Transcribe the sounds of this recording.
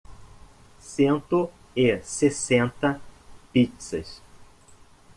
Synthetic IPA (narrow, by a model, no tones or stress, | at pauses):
sẽnt̪ʊ | ɪsesẽnt̪ɐpit͡ʃsɐ̰s